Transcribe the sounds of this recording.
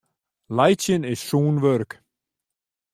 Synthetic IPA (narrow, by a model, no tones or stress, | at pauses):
laːjt͡ɕɪnɪ̥suːnvœɾk